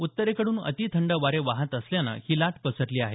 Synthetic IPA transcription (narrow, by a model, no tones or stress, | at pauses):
ut̪ːəɾekəɽuːnə̰t̪iːt̪ʰəɳɖəʋaɾeʋaɦət̪əsljana̰hiːlaʈpəsəʈliːaɦe